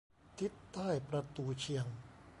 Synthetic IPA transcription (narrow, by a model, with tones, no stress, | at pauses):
t̪ʰi˦˥t̪ːaː˥˩jpɾa˧t̪uː˧t͡ɕʰi˧əŋ